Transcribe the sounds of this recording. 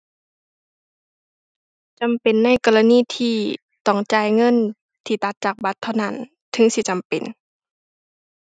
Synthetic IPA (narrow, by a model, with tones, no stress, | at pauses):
t͡ɕa˨mpe˨nːa˧˥˨jkɔː˨˧˨la˧niː˧˥˨t̪ʰiː˧˩ | t̪ɔ˧˩ŋt͡ɕaː˧˩jŋɤ˧˥˨n | t̪ʰiː˧˩t̪a˧˦t̪̚t͡ɕaː˨˩k̚ba˧˦t̪ʰːa˧˩wna˧˥˨n | t̪ʰɯ˧˦ŋsi˧˦t͡ɕa˨mpe˨n